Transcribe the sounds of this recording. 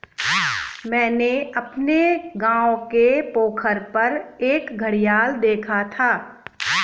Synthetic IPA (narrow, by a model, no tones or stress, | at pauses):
mɛ̃ːneɐpneɡãːõkepoːkʰəɾpɐɾeːkɡʱəɽijaːld̪eːkʰat̪ʰaː